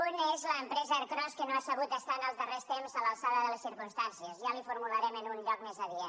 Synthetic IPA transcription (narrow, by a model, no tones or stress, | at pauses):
unezləːmpɾɛzəːɾkɾɔskənoasəβut̪̚əst̪anəlˠzðərest̪emzəlalˠsaðəðələsiɾkunst̪ansiəzjalifuɾmuləɾɛmənunʎɔk̚mezəðiə